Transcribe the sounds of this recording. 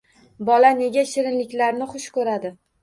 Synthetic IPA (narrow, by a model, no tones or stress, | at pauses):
bɒlane̞ɡʲaʃɪɾɪnlɪkʲlaɾnɪχʊʃkʰɵɾad̪ɪ